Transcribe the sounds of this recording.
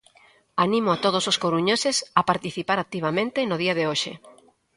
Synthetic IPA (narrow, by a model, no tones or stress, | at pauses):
anĩmoat̪oð̞ososkoɾuɲosesapaɾt̪iθipaɾat̪ːiβ̞amẽnt̪enoðiaðeoʃḛ